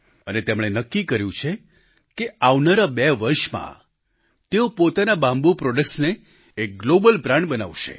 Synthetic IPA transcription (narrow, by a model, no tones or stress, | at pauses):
ənet̪emɽ̃enəkːikəɾjũt͡ʃʰe | keaʋnaɾabɛʋəɾʃmã̰ | t̪eopot̪anabãmbupɾɔɖəkʈsneː | k̚ɡlobəlpɾãɳbənaʋʃḛ